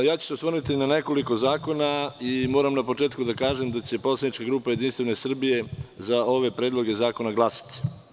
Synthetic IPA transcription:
jaːt͡ɕu̥seosərɾnit̪inane̞ko̞liko̞zaːko̞naimo̞ːɾamnapo̞t͡ʃe̞ːt̪kud̪akaːʒemd̪at͡ɕe̞poslad̪nit͡ʃkaɡɾuːpaje̞d̪inst̪ʋe̞nesr̩bije̞zao̞ʋe̞pɾeːd̪lˠo̞ɡe̞zaːko̞naɡlˠasḁt̪i̥

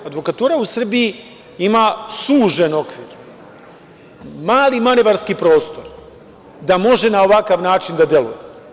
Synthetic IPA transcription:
ad̪ʋo̞kat̪uːɾausr̩biji | imaːsuːʒeno̞kʋiːɾ | maːlimaneʋaɾskipɾo̞ːst̪o̞ɾ | d̪amo̞ʒe̞nao̞ʋakaʋnaːt͡ʃind̪ad̪je̞lṵje

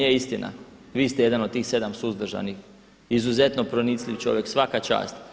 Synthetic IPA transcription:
eist̪ina̰ | ʋiːst̪eje̞d̪anot̪t̪iːxse̞d̪amsuzd̪r̩ʒa̰nix | izuze̞t̪no̞pɾo̞nisliʋt͡ʃo̞̰ʋje̞ksʋakat͡ʃa̰ːst̪

